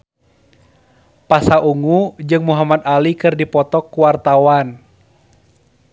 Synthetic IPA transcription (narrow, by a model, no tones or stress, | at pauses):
pasaʔuŋud͡ʒɨŋmuɦamad̪alikɨrdipɔt̪ɔkːuwart̪awan